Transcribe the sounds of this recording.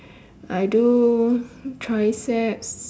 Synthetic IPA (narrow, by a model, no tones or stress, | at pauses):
ajdu | tʰɹajsɛps